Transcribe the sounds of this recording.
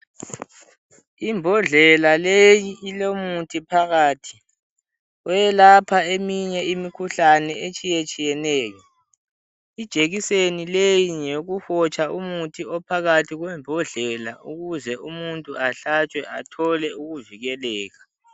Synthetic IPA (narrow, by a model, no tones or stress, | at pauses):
imbʱɔɮɛlalejiʔilomutʰʼipʰaɣaːtʰi̥ | ɔjɛlapʰaemiɲɛimikʰuɬanɛet͡ʃʼijet͡ʃʼijɛnɛːjɔ | id̥ʒ̥ʱeɣisenilejiɲeɣuhɔt͡ʃʼaumutʰiɔpʰaɣatʰiɣwɛmbʱɔɮɛlauɣuzɛumuntʼuaɬat͡ʃʼwɛʔatʰɔlɛuɣuviɣɛlɛːɣa